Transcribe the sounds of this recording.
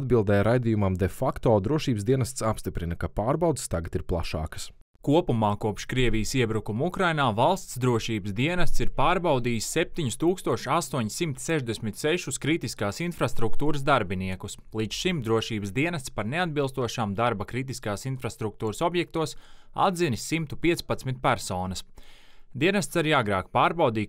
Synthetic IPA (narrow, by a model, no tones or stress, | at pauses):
d̪bilˠd̪ɛjɾajd̪ijumamd̪ɛfakt̪oːd̪ɾuɔʃiːbsd̪iɛnɐst̪sapst̪ipɾinɐkapaːɾbawd̪st̪aɡɐt̪iɾplˠa̰ʃa̰ːkə̥s | kuɔpumaːkuɔpʃkɾiɛvijəsiɛbɾukumukɾajnaːvalˠst̪sd̪ɾuɔʃiːbəsd̪iɛnɐst̪siɾpaːɾbawd̪iːsːɛp̚t̪iɲust̪uːkst̪uɔʃast̪uɔɲsimt̪sɛʒd̪esmit̪sɛʃuskɾit̪iskaːsinfɾast̪ɾukt̪uːɾəs̬d̪aɾbiniɛkuslˠid̪t͡ʃ̪ʃimd̪ɾuɔʃiːbəsd̪iɛnɐst̪spaɾnead̪̚bilˠst̪uɔʃaːmd̪aɾbɐkɾit̪̬iskaːsinfɾast̪ɾuk̚t̪uːɾəsɔbjɛk̚t̪uɔsa̰d̪zinissimt̪upiɛspat̪smit̪̚pæɾsoːnɐsd̪iɛnɐst̪saɾiːaɡɾaːkpaːɾbawd̪iː